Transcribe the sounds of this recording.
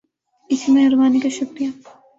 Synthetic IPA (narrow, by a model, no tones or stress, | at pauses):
ɪsmẽɦɐɾʋaːnikaʃɐkɾija